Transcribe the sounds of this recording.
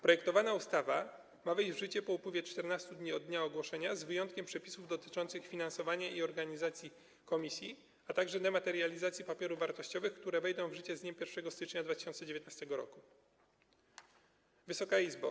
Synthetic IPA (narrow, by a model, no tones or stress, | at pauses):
pɾɔjɛkt̪ɔvanaust̪ava | mavɛjʑd͡ʑvʐɘt͡ɕɛpɔupwɘvʲjɛt͡ʂt̪ɛɾnast̪ud̪ɲiɔd̪d̪ɲaɔɡwɔʂɛɲazvɘjɔnt̪kʲɛmpʂɛpʲisuvd̪ɔt̪ɘ̥t͡ʂɔnt̪sɘxfʲinansɔvaɲaiɔɾɡaɲizat̪sʲji | kɔmʲisʲji | at̪aɡʐɛd̪ɛmat̪ɛɾjalʲizat̪sʲjipapʲjɛɾuvvaɾt̪ɔɕt͡ɕɔvɘxkt̪uɾɛvɛjd̪ɔ̃w̃vʐɘt͡ɕɛzɲɛmpʲjɛɾfʂɛɡɔst̪ɘt͡ʂɲad̪vat̪ɘ̥ɕɔ̃nt̪ɛd͡ʑevʲjet̪nast̪ɛɡɔɾɔ̰ku | vɘsɔkaizba̰